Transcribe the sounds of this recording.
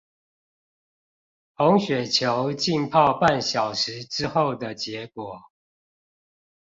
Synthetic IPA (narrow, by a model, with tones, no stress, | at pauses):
ho˨˦ŋɕɥɛ˨˩t͡ɕʰjo˨˦ʊt͡ɕi˥˨npʰɑ˥˧ʊpa˥˨nɕjɑ˨˩ʊʂɻ̩˨˦ʈ͡ʂɻ̩˦xo˥˨˩ʊd̪ə˨t͡ɕjɛ˨˦kwɔ˨˩˦